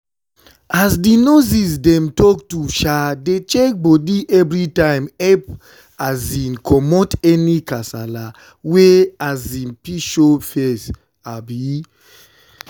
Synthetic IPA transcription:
azdinozisdɛ̃mtɔktuʃadet͡ʃɛk̚bɔdiʔɛvɹitãɪ̃mɛp | azĩnkʰɔmɔtɛnikasa̰la | weazĩnpiʃofɛs | abi

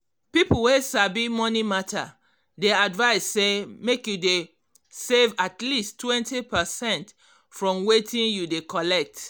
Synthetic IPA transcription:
pipuwesabimɔnimatʰa̰ | deadvaɪsːemekjude | sevatlistːwɛ̃ntipɛsɛ̃nt | fɹɔ̃mwetĩnjudekɔlɛk̚t

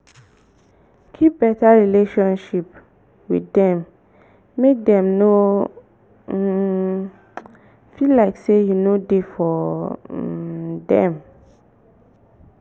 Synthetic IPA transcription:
kʰip̚b̥ɛtaɹileʃɔ̃nʃip | wḭdɛ̃mː | ek̚dɛ̃mno | filːaɪksejunodefɔ | dɛ̃m

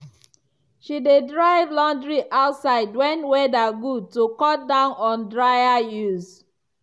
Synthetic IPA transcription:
ʃidedɹaɪvlɔ̃ndɹiʔaʊtsaɪdwɛ̃nwɛdaɡud̚tokɔdãʊ̃nɔ̃ndɹaɪajuz

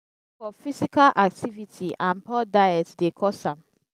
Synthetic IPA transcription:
fɔfisikalʔak̚tʰivitʰiʔãnpɔdajɛtdekʰɔsãm

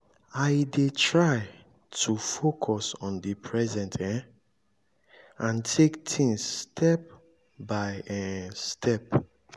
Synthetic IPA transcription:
aɪdetʰɹaɪ | tʰufokʰɔsɔ̃ndipʰɹɛzɛ̃ntʰɛ̃ | ãntʰektʰĩŋsːtʰɛp̚ | bajɛstʰɛp

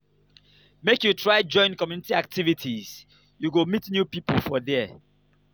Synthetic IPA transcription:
mekjutʰɹaɪd͡ʒɔ̃ɪ̃nkɔmjunitiak̚tivitʰiz̥ | juɡomitnjupipəlfɔðɛ

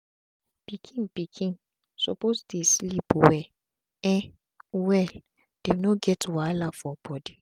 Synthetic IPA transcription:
b̥ikʰĩnpikʰĩn | sɔposdeslipowɛ | ɛ̃n | wɛl | d̥enoɡɛtwalafɔb̥ɔdi

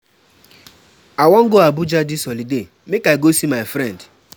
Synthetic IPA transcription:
awɔŋ̩ɡoabʊd͡ʒadɪsɔlide | mekaɪɡosimaɪfɾɛnd

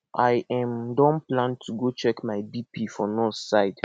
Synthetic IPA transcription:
ʔajʔɛ̃mdɔ̃nplãntʰuɡot͡ʃɛkmaɪdipifɔnɔssaɪd

